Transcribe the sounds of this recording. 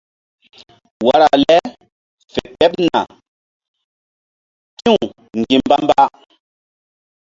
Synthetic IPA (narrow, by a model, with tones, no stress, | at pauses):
wa˦ɾa˨lɛ˦ | fe˨ɓɛ˦pna̰˨ | ki˦u˨ | ŋɡi˨mba˦mba˦